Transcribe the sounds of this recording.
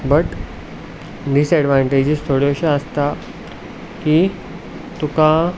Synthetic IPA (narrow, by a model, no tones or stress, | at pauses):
bəʈ | d̪isɛɖʋaɳʈed͡ʑist̪ʰoɽeɕaəst̪a | ki | t̪uka